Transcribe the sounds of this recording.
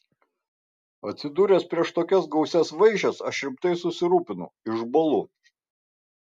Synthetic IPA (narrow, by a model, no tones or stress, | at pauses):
ɐt̪ʲsʲɪd̪uːɾʲɛspʲɾʲiɛʃt̪oːkʲɛsɡɒʊsʲɛsʋɐɪʒʲɛsɐʃɪɾʲɪmpt̪ɐɪsʊsʲɪɾuːpʲɪnʊ̰ɪʒbɐlˠʊ